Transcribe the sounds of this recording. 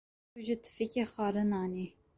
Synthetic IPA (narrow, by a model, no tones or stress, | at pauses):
uʒɪt̪ʰɨ̥fikexɑːɾɨnɑːni